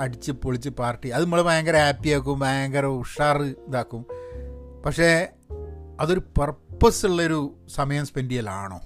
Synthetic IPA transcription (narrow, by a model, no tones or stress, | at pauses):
ɐɽit͡ɕːɨpːoɭit͡ɕːɨpaːrʈːiɐðɨmuɭemaːŋɡɐɾɐhaːpːiaːkːumbaːŋɡɐɾɐuʂaːrɨnd̪aːkːum | pɐkʂe̞ | ɐðo̞ɾupɐrpːɐsuɭːɐoɾusɐmɐjɐmspendijɐlaːɳo̰ː